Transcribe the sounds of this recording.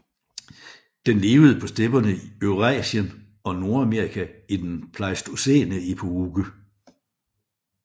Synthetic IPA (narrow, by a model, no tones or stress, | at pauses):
d̥enle̝ːʊð̞̩ˠəpʰɒ̽sd̥eb̥ɐnəiøʁɛ̰ːɕən | ɒ̽no̝ɐæmeɐ̰ʁikʰæid̥enpʰlɑsd̥osḛːnəipʰouɡ̥ə